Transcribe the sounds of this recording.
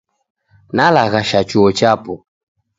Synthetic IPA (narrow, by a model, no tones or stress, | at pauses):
nalaɣaʃat͡ʃuɔt͡ʃapɔ